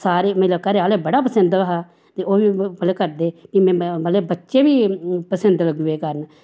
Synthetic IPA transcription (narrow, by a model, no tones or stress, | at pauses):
saːɾeːmə̃ləbkəɾeaːleːbəɽaːpəsənd̪ʋəɦaː | t̪eːʔoːʋiːpəlkəɾd̪eːpiːmɛ̃ːbəleːbətːʃeːʋiːpəsənd̪ləɡeːkəɾən